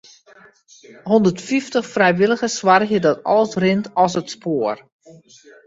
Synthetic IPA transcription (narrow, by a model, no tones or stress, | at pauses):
ɦɔndərtfiftəχfrɛjʋɪlˠəɣəsʋarxjədɔtɔ̰lˠsrɪntɔs̬ətspʰoːər